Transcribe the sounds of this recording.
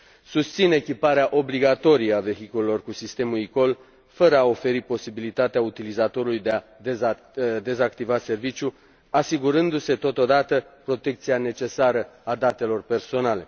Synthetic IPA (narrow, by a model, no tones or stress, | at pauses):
sust̪sine̞kʲipaɾeaʔo̞bliɡat̪o̞ɾijəave̞ɦikule̞lo̞rkusist̪e̞muiko̞l | fəɾəao̞fe̞ɾipo̞sibilit̪at̪eaut̪ilizat̪o̞ɾulujd̪eae | d̪e̞zakt̪ivase̞rvit͡ʃʲju | asiɡuɾɨnd̪use̞t̪o̞t̪o̞d̪at̪əpɾo̞t̪e̞k̚t̪siane̞t͡ʃe̞saɾəad̪at̪e̞lo̞rpe̞rso̞nale̞̰